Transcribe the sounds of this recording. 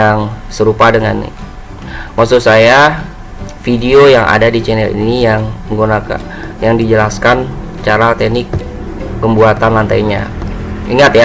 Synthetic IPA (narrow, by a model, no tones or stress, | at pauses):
aŋsəɾupadəŋa̰n̰ | maksusaja | fidiojaŋa̰dadit͡ʃɛnɛlḭnijaŋəŋɡunaka̰ | jaŋdid͡ʒəlaskan | t͡ʃaɾat̪ɛnɪkː | əmbuat̪anlant̪aiɲa̰iŋat̪ja